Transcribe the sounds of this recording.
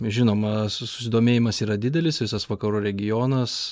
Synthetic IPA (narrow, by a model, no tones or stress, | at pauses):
ʒʲɪnoːmɐsʊ̥sʲɪd̪oːmʲeːjɪmɐsiːɾɐd̪ʲɪd̪ʲɛlʲɪsʋʲɪsɐsʋɐkɐɾuːɾʲɛɡʲɪjoːnɐs